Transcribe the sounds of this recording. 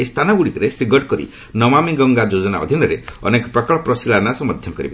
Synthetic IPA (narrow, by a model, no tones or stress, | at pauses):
est̪ʰanɔɡuɽikɔɾesɾiɡɔʈkɔɾḭ | nɔmamiɡɔŋɡad͡ʒod͡ʒɔna̰ɔ̰d̪ʱinɔɾeɔ̰nekɔ̥pɾɔkɔɭɔpɾɔsilanasɔmɔd̪ʱjɔkɔɾḭbe